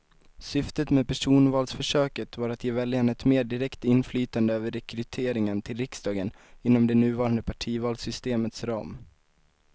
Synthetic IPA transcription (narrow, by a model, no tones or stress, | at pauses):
sʏft̪ət̪meːd̪pʰæʂuːnvɑːlsfœʂøːkət̪vaɾat̪ʰjeːvɛljanɛt̪meːɖɪɾɛkt̪ɪnflyːt̪and̪əøːvəɾɛkɾɵt̪ʰeːɾɪŋənt̪ʰɪlɾɪksd̪ɑːɡən | ɪnːɔmd̪ɛnʉ̟ːvɑːɾand̪əpʰaʈʰiːvɑːlsʏst̪eːmət̪sɾɑ̰ːm